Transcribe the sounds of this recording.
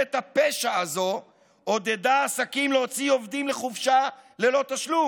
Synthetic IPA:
et̪apeʃaːzo̞ | od̪e̞d̪aːsakimleot͡sio̞vd̪imleχufʃale̞lo̞t̪aʃlum

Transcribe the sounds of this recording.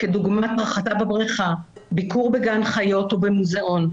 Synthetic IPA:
keduɡmatʁaχatabebʁiχabikuʁbeɡanχajo̞tobemuzeʔo̞n

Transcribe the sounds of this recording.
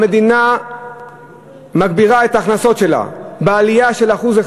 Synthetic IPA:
me̞d̪ina | maɡ̚biʁae̞t̪aːχnaso̞t̪ʃe̞la̰bealijaʃe̞laχuze

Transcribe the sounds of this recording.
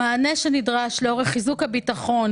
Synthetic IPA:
aːneʃenidʁaʃleo̞ʁeχizukhabitaχo̞n

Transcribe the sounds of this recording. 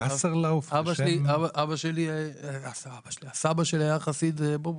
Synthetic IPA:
aseʁlawfabaʃliabaʔabaʃeliasabaʃeliasabaʃeliajaχasid̪ebo

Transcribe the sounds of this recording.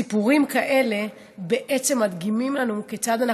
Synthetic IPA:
ipuʁimkaʔe̞le̞ | be̞ʔe̞t͡se̞mːat̪ɡimimlanuket͡sad̪ana

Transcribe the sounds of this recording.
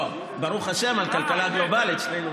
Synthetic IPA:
baɾuχaʃe̞malkalkalaɡlo̞balit̪t͡ʃlenu

